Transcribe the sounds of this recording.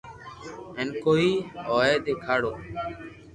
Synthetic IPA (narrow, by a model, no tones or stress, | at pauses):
eːnkoːiːoːeːd̪eːkʰaːɽoː